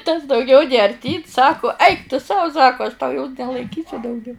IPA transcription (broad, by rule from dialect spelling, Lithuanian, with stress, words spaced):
tɐs dɐʊˈɡʲɛʊ nʲeː ɐrʲˈtʲiːn ˈsɑːkʊ ˈɐɪk tʊ ˈsɐʊ ˈsɑːkʊ ɐʃ tɐʊ joːs nʲɛlˠɐɪˈkʲiːsʲʊ dɐʊˈɡʲɛʊ